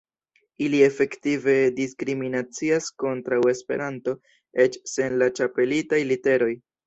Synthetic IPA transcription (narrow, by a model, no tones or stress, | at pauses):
ilie̞fe̞ktive̞diskɾiminat͡siasko̞ntɾawe̞spe̞̰ɾanto̞ | e̞t͡ʃse̞nlat͡ʃape̞litajlite̞ɾo̞j